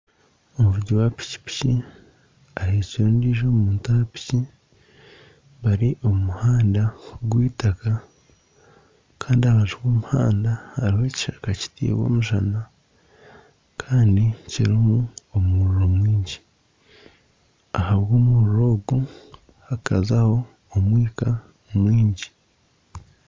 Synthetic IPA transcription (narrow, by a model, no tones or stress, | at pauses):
omuvuɟowapi̥ci̥pi̥ci | aɾeciɾuːndiːʒomuːntapi̥ci | βaɾiʔo̞mumuhaːndaɡwiːtaka | kʰaːndiaβaʒiwoːmuha̰ːndahːɾihe̞ːci̥ʃakaci̥tḭːwo̞̰ːmuʒa̰na | kʰaːndiciɾimuomuuɾuɾo̞mwiːɲɟi | ahaβɡoːmuɾuɾo̞ːɡu | hakazaho̞ː | mwiːka | mwiːɲɟi